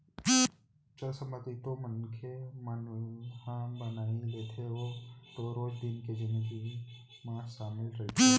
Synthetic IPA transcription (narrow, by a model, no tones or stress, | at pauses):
t͡ʃəlsɐ̃mbət̪it̪omənkʰemənhãbɐnaːileːt̪ʰeʋot̪oɾoːd͡ʒd̪ɪnked͡ʒɪnɡi | mãːʃaːmɪlɾɐɦ̪ʰi